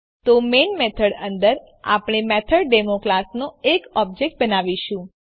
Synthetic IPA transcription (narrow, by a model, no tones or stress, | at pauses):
t̪omenmɛt̪ʰəɽənd̪əɾ | a̰pɽ̃emɛt̪ʰəɭɖemoklasnoekɔb̚d͡ʒek̚ʈ̚bənaʋiʃũ